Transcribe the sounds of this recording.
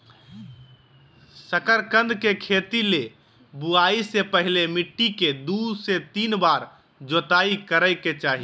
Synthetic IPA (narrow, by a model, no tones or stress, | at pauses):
səkəɾkə̃nd̪ʱkekʰet̪ile | buaisepəɦilemiʈːiked̪uset̪iːnbaɾ | d͡ʒot̪aikəɾəɪket͡ʃaɦi